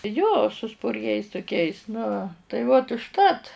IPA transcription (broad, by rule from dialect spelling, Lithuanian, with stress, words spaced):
joː sʊ spʊrʲˈɡʲɛɪs tʊˈkʲɛɪs nʊ tɐɪ ˈʋoːt ʊʃˈtɐt